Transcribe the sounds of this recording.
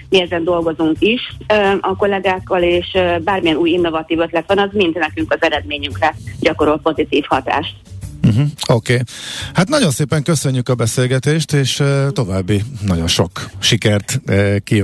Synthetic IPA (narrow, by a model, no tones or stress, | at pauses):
miɛzɛnd̪o̞lɡo̞zuŋkiʃɒko̞lɛɡaːkːɒleːʃbaːrmijɛnuːjinːo̞vɒt̪iːvøt̪lɛt̪ʋɒnɒzmint̪nɛkyŋkɒzɛɾɛd̪meːɲyŋkrɛɟɒko̞ɾo̞lpo̞zit̪iːfhɒt̪a̰ːʃt̪m̩ɦm̩oːkeːhat̪nɒɟo̞nseːpɛŋkøsø̞ɲːykɒbɛseːlɡɛt̪eːʃt̪eːʃt̪o̞vaːbːinɒɟo̞nʃo̞̰kʃikɛrt̪ːki